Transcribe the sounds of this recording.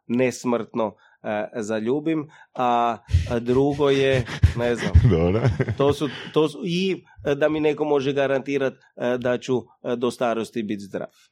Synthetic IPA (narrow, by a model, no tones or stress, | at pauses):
nesmr̩t̪no | zaʎuːbima | d̪ɾuɡojenezna̰md̪obɾot̪oːsut̪oːsui | d̪amineko̞mo̞ʒɛɡaɾant̪iːɾat̪ | d̪at͡ɕu | d̪ost̪aːɾost̪ibit̪zd̪ɾa̰ːf